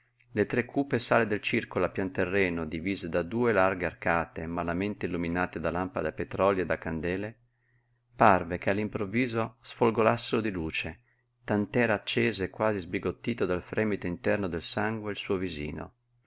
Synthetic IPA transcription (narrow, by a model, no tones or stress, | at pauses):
let̪ɾekʰːuːpesaːled̪elt͡ʃirkolapjant̪erːɛːnod̪iviːzed̪ad̪uːelarɡearkaːt̪emalament̪eilːuminaːt̪ed̪alampad̪apet̪ɾɔljed̪akand̪ɛːle | parvekealːimpɾovːiːzosfolɡolasːeɾod̪iluːt͡ʃe | t̪ant̪ɛːɾaːt͡ʃːeːzeːkːwaːzizbiɡot̪ːiːt̪od̪alfɾʔɛːmit̪oint̪ɛrnod̪elsaŋɡweilsuːovizḭːno̰